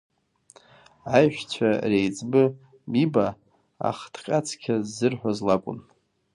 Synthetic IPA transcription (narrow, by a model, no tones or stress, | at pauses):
ajʒᶣt͡sʷʰarejt͡sʼbɨ | biba | a̰χtʰqʲʼat͡sʰkʲʰazːɨrħʷazlakʷʼʊ̰n